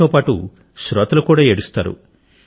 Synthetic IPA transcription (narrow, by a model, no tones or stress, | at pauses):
oːpaːʈṵ | ʃɾɐt̪ɐlɐkuːɽaːeɽust̪a̰ːɾṵ